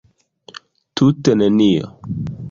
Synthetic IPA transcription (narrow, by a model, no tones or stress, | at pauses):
tʰutɛnəniɔ̰